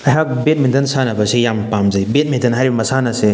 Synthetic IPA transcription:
ɐɦak̚bet̚mind̪ɐnsanɐbɐsejampamzɐjbet̚mind̪ɐnɦaɾibmɐsanɐse

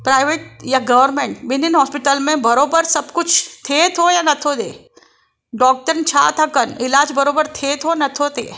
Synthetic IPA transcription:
pɾaːɪʋeːʈ̚jaɡɐʋəɾmẽɳʈʋɪninɦɔːspɪʈəlmẽbɐɾoːbəɾsɐbkʊt͡ʃʰt̪ʰeːt̪ʰojanɐt̪ʰod̪ḛː | ɖɔːk̚ʈəɾnt͡ʃʰa̰ːt̪ʰɐkənɪlaːd͡ʒbɐɾoːbəɾt̪ʰet̪ʰonɐt̪ʰot̪ḛː

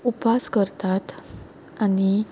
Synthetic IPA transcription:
upaskəɾt̪at̪ | ani

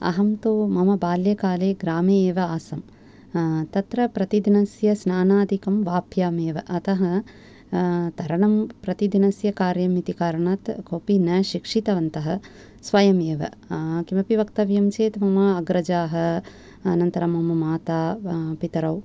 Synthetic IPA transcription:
ɐ̰ɦɐmt̪oːmɐmɐbaːljɐkaːleːɡɾaːmeːʋɐaːsɐm | t̪ɐt̪ɾɐpɾɐt̪id̪inɐsjɐsnaːnaːd̪ʱikɐmʋaːpʰjaːmeːʋɐʔɐt̪ɐɦɐ | t̪ɐɾɐɳɐmpɾɐt̪id̪inɐsjɐkaːɾjɐmit̪ikaːɾɐɳaːt̪kʰopinɐʃikʂit̪ɐʋɐnt̪ɐɦɐ | sʋɐjɐmeːʋɐ̰kimɐpiʋɐkt̪ɐʋjɐmt͡ʃeːt̪mɐmɐɐɡɾɐd͡ʒaːɦɐ̆ | ɐnɐnt̪ɐɾɐmɐmɐmaːt̪aːpit̪ɐɾɐw

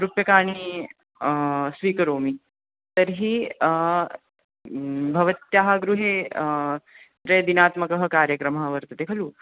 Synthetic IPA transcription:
ɾupjɐkaːɳ̃i | sʋiːkɐɾoːmi | t̪əɾɦiː | bʱɐʋət̪jaɦaɡɾuɦe | ɾed̪inaːt̪mɐkɐɦəkaːɾjəkɾɐmɐɦɐʋəɾt̪ɐt̪ekʰɐluː

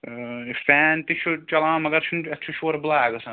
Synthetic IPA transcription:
fɛːnt̪iʃʰot͡ʃɐlãːmɐɡɐɾʃʰunɐt̪ːt͡ʃʰoʃoːɾblaːɡɐsã

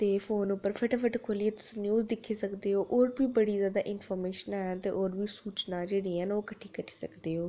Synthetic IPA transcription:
t̪eːfʰoːnʊpːəɾpʰəʈːpʰəʈkʰoːlieːt̪ʊ̥sĩːnjuːzd̪ɪkʰːiːsəkd̪eːɦoːʔoːɾbiːbəɽiːzjaːd̪a̰ːʔɪnpʰɔːɾmeːʃənaːt̪ḛːʔoːɾbiːsuːt͡ʃnaːd͡ʒeːɽiːənoːkəʈʰiːkəɾi̥ːsəkd̪eːɦoː

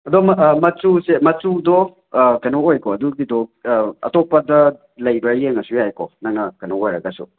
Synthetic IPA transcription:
ɐdɔmmɐt͡ʃusemɐt͡ʃudɔ | kanɔojkɔɐduɡidɔɐ̰tɔpɐdɐ | lɐjbɐjeŋɐsujajkɔnaŋːɐkanɔojɾɐɡasṵ

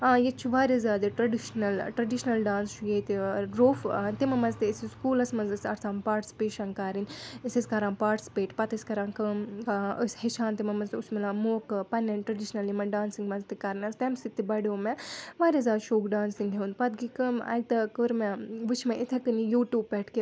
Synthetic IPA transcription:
aːjet͡ʃʰuʋaːɾezʲaːd̪ɨʈɾɐɖiʃnɐlʈɾɐɖiʃnɐlɖaːnst͡ʃʰujeːt̪iɾoːft̪imɐmɐnzt̪isiskuːlɐsmɐnzɐsɐɾt͡sʰãːmpaːɾʈsi̥peːʃɐŋkaːɾinisisʲkɐɾãːmpaːɾʈspeːʈpɐt̪ɐsʲkɐɾãːnkɨmkːəsʲhiʃãːnt̪imɐmɐnzt̪usmilãːmoːkpɐnːɐnʈɾɐɖiʃnɐlimɐnɖaːnsiŋɡmɐnzt̪ikaɾinɐst̪emsit̪ːibɐɽoːmɛʋaːɾʲezʲaːd̪ʃoːkɖaːnsiŋɡɖʱʲeund̪pɐt̪ɡikɨmɐ̰ɡ̚t̪ɐkɨɾmɛʋɨt͡ʃʰmɐʔit̪ʰɐk̪ɨnijuːʈjuːb̚pɛʈʰke

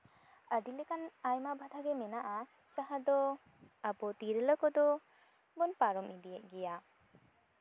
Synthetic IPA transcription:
əɖilɛkanajmabʱad̪ʱaɡɛmɛnaʔa | t͡ʃaɦad̪ɔ | abɔt̪iɾələkɔd̪ɔ | bɔnpaɾɔmid̪ijɛʔ̚ɡɛja

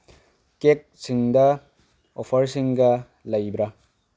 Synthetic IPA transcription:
kek̚siŋdɐ | opʰɐɾsiŋɡɐ | lɐjbɾɐ

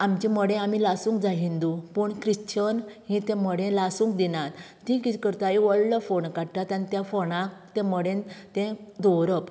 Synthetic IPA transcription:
amt͡ɕĩməɽẽamilasũŋkd͡zaɦind̪upəɳkɾiɕt͡ɕənɦĩt̪ɛ̃məɽẽlasũːŋk̚d̪inãt̪ːĩkit̪ʰikəɾt̪ajiʋəɭləfoɳkaɽʈ̪at̪anit̪jafonãkt̪ɛ̃məɽẽnt̪ɛ̃d̪oɾəp

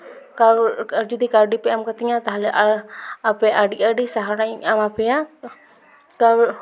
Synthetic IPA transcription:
kad͡ʒɔd̪ikaɾɖipɛamkat̪ɛŋat̪aɦalɛʔaapɛʔaɖiaɖisaɦaɾaɲamapɛja | ka

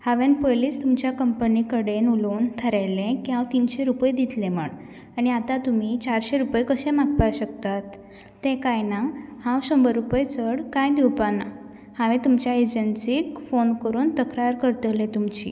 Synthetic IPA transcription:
haʋenpojliːst̪umt͡ɕjakəmpənikəɽenuluːnt̪ʰəɾajlẽkiãʋt̪iːnɕeɾupəjd̪it̪lẽm̤əɳ | aɽ̃iat̪at̪um̤it͡ɕaɾɕeɾupjkəɕẽmak̚paɕək̚t̪at̪ː | ẽkajnahãwɕə̃mbəɾupəjt͡səɽkajd̪iwpana | hãʋẽt̪umt͡ɕjaed͡ʑənsiːkfonkəɾuːnt̪əkɾaɾkəɾt̪əlẽt̪umt͡ɕḭː

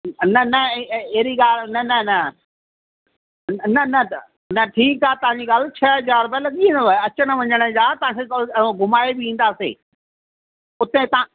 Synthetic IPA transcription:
nɐnɐeɦɾiɡaːlnɐnɐnɐ | nɐnɐ | nɐʈʰiːkaːt̪ɐʋ̤ãɲd͡ʑiɠaːlt͡ɕʰɐɦɐzaːɾbəlɐɠiĩːd̪oaːɐt͡ɕəɽ̃ə̆ʋɐ̃ɲəɽ̃ə̃d͡ʑaːt̪ɐʋ̤ãːkʰeɡʱʊmaːebɪĩːnd̪aːsḛː | ʊt̪ẽt̪ɐã

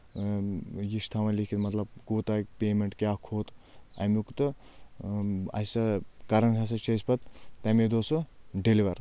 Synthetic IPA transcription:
jist̪ʰamɐlikʰit̪mɐt̪lɐb̚koːt̪akʲpʲeːmeɳʈkʲaːkʰoːt̪ | ɐ̰mukut̪ɨ | ɐ̰sɐkɐɾɐnkʰɐs̬ɐt͡ʃʰɐsʲpɐt̪t̪ɐmid̪oːsuɖeliʋɐɾ

